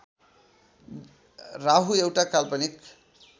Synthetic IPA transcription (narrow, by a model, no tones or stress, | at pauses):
raɦuewʈakalpʌnik